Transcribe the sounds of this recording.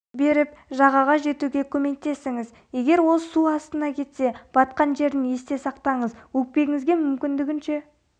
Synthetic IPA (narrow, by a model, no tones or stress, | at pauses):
be̞ɾɪpʒɑʁɑʁɑʒe̞t̪uɡʲe̞kʲʰɵme̞k̚t̪e̞sɪŋɪz | je̞ɡʲe̞ɾwo̞lˠsuɑst̪ənɑkʲʰe̞t̪se̞b̥ɑt̪qɑnʒe̞ɾd̪ɪne̞st̪e̞sɑqt̪ɑɴəzwɵk̚pe̞ɡʲɪŋɪzɡʲe̞mʏmkʲɪnd̪ɪɡʲɪnʃe̞